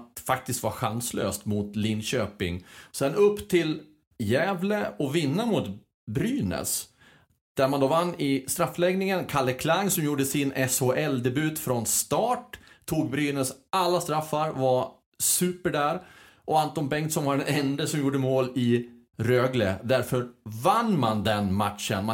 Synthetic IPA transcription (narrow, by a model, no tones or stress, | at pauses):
t̪fak̚t̪ɪst̪vaɾɧanslø̰ːst̪mʊt̪lɪnɕøːpɪ̰ŋsɛnɵpːt̪ʰɪl | jɛːvləɔvɪnːamʊt̪ | bɾyːnə̰s | d̪̥æɾmand̪oːvanːɪst̪ɾafːlɛɡnɪŋənkʰaɭːəkʰlaŋːsɔmjuːɖəsɪnɛshoʔɛld̪ɛbʉ̟ːt̪fɾɔnst̪ɑːʈt̪ʰːuːɡ̚bɾyːnəsʔalːast̪ɾafːaɾvaɾ | sʉːpəɖæːɾ | ʔɔant̪ɔnbɛŋkt̪sɔmvaɖɛnɛnd̪əsɔmjuːɖəmoːlɪ | ɾøːɡlə̰d̪æɾfœɾvanːmand̪ɛnmat̪ʂə̰nma